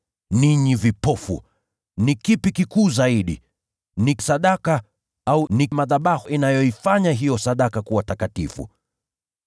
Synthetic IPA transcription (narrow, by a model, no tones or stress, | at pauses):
niɲivipɔfṵ | nikipikikuːzaiɗḭ | nisaɗaka | aunimaðaɓahinajɔifaɲaɦijɔsaɗakakuwatakatifṵ